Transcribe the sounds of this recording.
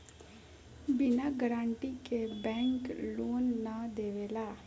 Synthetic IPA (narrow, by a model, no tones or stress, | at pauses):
bɪnaɡəɾaːɳʈikebɛ̃ːŋkloːnːad̪eːʋeːlaː